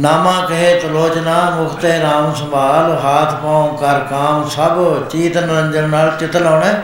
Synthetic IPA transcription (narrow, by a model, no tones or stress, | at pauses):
naːmãːkəɦeːt̪əloːt͡ʃnaːmʊkʰt̪eːɾaːmsə̃mbʱaːlɦaːt̪ʰpãːkəɾkaːmsəbt͡ʃiːt̪nəɲd͡ʒənnaːlt͡ʃɪt̪laːɳɛ̃ː